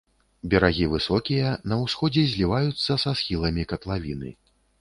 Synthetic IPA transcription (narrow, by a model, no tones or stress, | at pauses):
bʲɛɾaɣʲivɨsɔkʲijɐnɐwsxɔd͡zʲɛzʲlʲivajut̪sːɐsasxʲilˠɐmʲikɐt̪lˠavʲinɨ̰